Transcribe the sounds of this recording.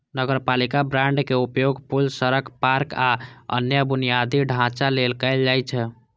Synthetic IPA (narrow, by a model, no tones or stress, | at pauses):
nəɡəɾpalikabɾãɳɖkeupjoɡpulsəɾəkpaɾkaə̰njəbunijad̪iɖʱãt͡ʃalelkəɪld͡ʒajt͡ʃʰɛ